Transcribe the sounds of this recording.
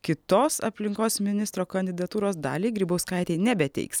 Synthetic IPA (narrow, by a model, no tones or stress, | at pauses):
kʲɪt̪oːsɐ̰pʲlʲɪŋkoːsmʲɪnʲɪst̪ɾoːkɐnʲd̪ʲɪd̪ɐt̪uːɾoːsd̪ɑ̰ːlʲiːɡɾʲiːbɐʊskɐˑɪt̪ʲɛɪnʲɛbʲɛt̪ʲɛ̰ɪks